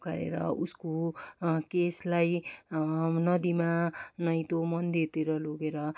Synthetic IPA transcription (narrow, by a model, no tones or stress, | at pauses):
ɡʌɾḛɾʌ̰usko | keslaj | nʌd̪imanʌj̃t̪omʌnd̪et̪iɾʌloɡeɾʌ